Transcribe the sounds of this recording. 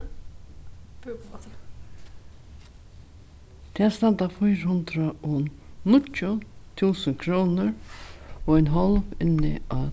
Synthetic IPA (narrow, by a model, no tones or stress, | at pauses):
t̪ʰɛːst̪ant̪afɔjɾhʊnt̪ɾaɔnʊcːʊt̪ʰuːsəŋkʰɾɔːnʊɾ | ɔɛjnɦɔlpɪnːɪ̰a